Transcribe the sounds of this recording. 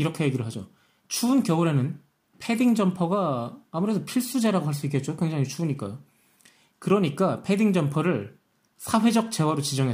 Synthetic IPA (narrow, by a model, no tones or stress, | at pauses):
iɾʌkʰe̞jeɡiɾɯɭɦad͡ʑo | t͡ɕʰuːnkjʌuɾenɯn | pʰe̞diŋd͡ʑʌmpʰʌɡaːmuɾe̞dopʰiɭs͈ud͡ʑaɾaɡoɦaɭs̬͈uik̬͈et̚t͡ɕokwe̞ŋd͡ʑaŋit͡ɕʰuːɲik͈a̰jo | kɯɾʌɲik͈apʰe̞diŋd͡ʑʌmpʰʌɾɯɭ | sʰaɸwe̞d͡ʑʌk̚t͡ɕ͈e̞waɾot͡ɕid͡ʑʌŋɦe